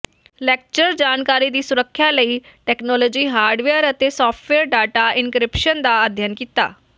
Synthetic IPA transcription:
lɛːk̚t͡ʃəɾd͡ʒaːnkaːɾiːd̪iːsʊɾəkʰːjãːləiː | ʈɛːknɔːlɔːd͡ʒiːɦaːɾɖʋeːəɾət̪eːsɔːpʰʈʋɛːɾɖaːʈaːʔɪnkɾɪpʃənd̪aːəd̪ʱjənkiːt̪a̰ː

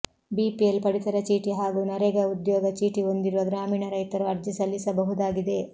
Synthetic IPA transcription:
biːpiɐlpɐɽit̪ɐɾɐt͡ʃiːʈiɦaːɡuːnɐɾɛɡɐud̪jɔːɡɐt͡ʃiːʈio̞nd̪iɾuʋɐɡɾaːmiːɳɐɾɐjt̪ɐɾuɐɾd͡ʒisɐlːisɐbɐɦud̪aːɡid̪e̞

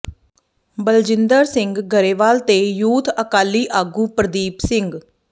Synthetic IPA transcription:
bəld͡ʒɪnd̪əɾsɪŋɡɡʱəɾeːʋaːlt̪eːjuːt̪ʰəkaːlːiːʔaːɡuːpɾəd̪iːpsɪŋɡ

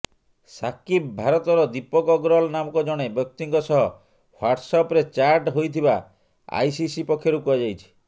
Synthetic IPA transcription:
sakibbʱaɾɔt̪ɔɾɔd̪ipɔkɔɡɾɔlnamɔkɔd͡ʒɔɽ̃ebjɔk̚t̪iŋkɔsɔɦɔ | hwaɾʈsɔpɾet͡ʃaɾʈɦojt̪ʰiba | a̰jsisipɔkʰːjoɾukɔad͡ʒajt͡ʃʰi̥

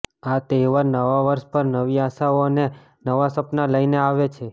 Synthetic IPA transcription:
at̪eʋaɾnəʋaʋəɾʃpəɾnəʋiaʃaone | nəʋasəpnaləineaʋet͡ʃʰe

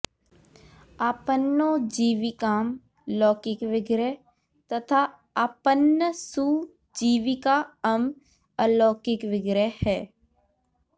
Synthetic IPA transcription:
aːpənːõːd͡ʒiːʋikaːm | lɔːkɪkʋɪɡɾə | t̪ɐt̪ʰa | aːpənːəsu | d͡ʒiːʋikaəm | əlɔːkɪkʋɪɡɾəhɛː

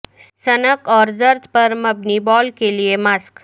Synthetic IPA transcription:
sənəkɔɾd͡zəɾt̪pəɾməbnibɔlkeliemask

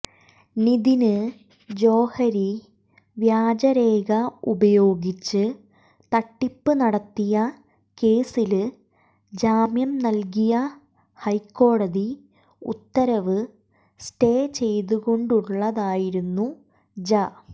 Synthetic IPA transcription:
niðinɨ | d͡ʑo̞ːhɐɾi | ʋjaːd͡ʑɐɾe̞ːɡɐubɐjo̞ːɡit͡ɕːɨ | t̪ɐʈːipːɨnɐɽɐt̪ːijɐ | ke̞ːsilɨ | d͡ʑaːmjɐmnɐlk̬ijɐ | hɐjkːo̞ːɽɐði | ṵt̪ːɐɾɐʋɨ | sʈe̞ːt͡ɕe̞jt̪uɣo̞ɳɖuɭːɐðaːjiɾunːu | d͡ʑɐ

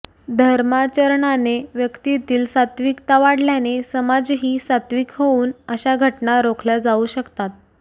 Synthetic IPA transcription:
d̪ʱəɾmat͡ɕəɾɳaneʋjəkt̪it̪iːlsat̪ʋiːkt̪aʋaɽljanesəmad͡zɦiːsat̪ʋiːkɦouːnəɕaɡʱəʈnaɾokʰljad͡zauɕəkt̪at̪̚

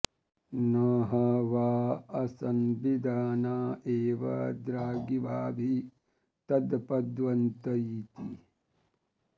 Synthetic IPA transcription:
nɐɦɐʋaːɐsɐnʋid̪ʱaːnaːeːʋɐ̰d̪ɾaːɡibʱaːbʱi | t̪ɐd̪pɐd̪ʋɐnt̪ɐiːt̪i

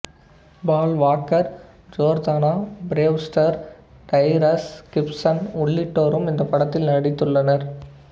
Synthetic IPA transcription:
baːlʋaːkɐɾ | d͡ʒoːɾd̪aːnaːbɾeːʋsʈɐɾ | ʈ̪ɐɪɾɐskɪpsɐnʊɭːɪʈːoːɾɯmɪnd̪ɐpɐɽɐt̪ːɪlnɐɽɪt̪ːɯɭːɐnɐɾ

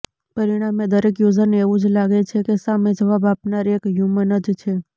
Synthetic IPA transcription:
pəɾiɽ̃amed̪əɾekjuzəɾneeʋũd͡ʒlaɡet͡ʃʰekesamẽd͡ʒəʋabapnaɾekjumənəd͡ʒt͡ʃʰe

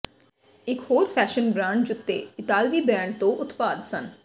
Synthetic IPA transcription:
ɪkhoːɾpʰɛːʃənbɾãːɳɖd͡ʒʊt̪ːḛːɪt̪aːlʋiːbɾɛ̃ːɳɖ̚t̪õːʔʊt̪paːd̪sən

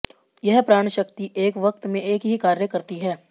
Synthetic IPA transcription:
jɐɦpɾaːɳ̃ʃək̚t̪iʔeːkʋɐkt̪mẽeːkɦikaːɾjəkɐɾt̪iɦɛː

